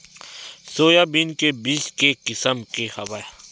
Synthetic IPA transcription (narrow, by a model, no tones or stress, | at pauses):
soːjaːbinkebiːskekɪsəmkehɐʋaj